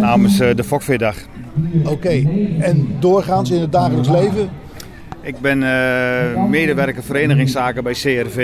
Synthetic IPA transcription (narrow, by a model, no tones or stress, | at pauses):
naːmənsdəfɔkfɪdax | owkejɛndoːrχaːnsɪnɦəd̚daːxələks̬lejvə | ɪk̚bɪn | meːdəʋɛrkəfəɾeːnəɣɪŋsaːkəbɛjseːɛrve